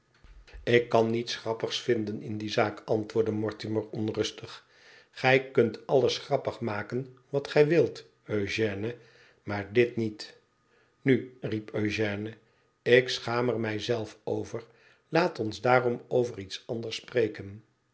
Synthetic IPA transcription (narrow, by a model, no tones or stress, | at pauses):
ɪkːɑnːitsχrɑpəχsfɪndənɪndizaːkɑntʋʊːɹdəmɔɹtiməɹɔnrɵstəχ | χɛjkɵntʰɑləsχrɑpəχmaːkənʋɑtχɛjʋɪlˠt | øɥʒɛːnə | maːɹdɪtnit | nyripøɥʒɛːnə | ɪksχaːmərmɛjzɛlˠfowvəɹ | laːtɔnzdaːrɔmowvəritsɑndəɹsprejkən